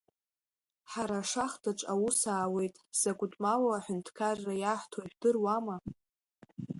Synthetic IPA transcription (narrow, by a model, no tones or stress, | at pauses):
ħaɾaʂaχdaʈ͡ʂʷʼawusaːwe̞jtʼsakʷʼʊtʼmawaːħʊntʰkʰarːajaħʷtʰoʒᶣdɨrwama